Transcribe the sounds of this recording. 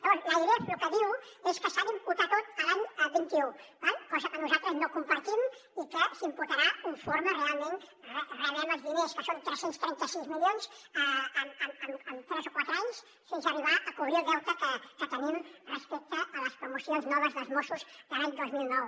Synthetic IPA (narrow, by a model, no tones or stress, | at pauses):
əβɔɾlaiɣɾeplukəðiweskəsaβimput̪at̪ot̪əlaɲbint̪iubalkɔzəkənuzalt̪ɾəznokumpɐɾt̪im | ikəsimput̪aɾauɱfoɾmərealˠmẽnreaβɛnəzðineskəsont̪ɾəsenst̪ɾɛnt̪əsizmiljons | əmənt̪ɾɛzokwat̪ɾaɲs | sensəriβ̞aʔɐkuβɾiɾðɛwt̪əkəkət̪ənimrəspek̚t̪əːləspɾumusijonznɔβəzðəlˠzmosuzd̪əlaɲd̪ozmilˠnɔw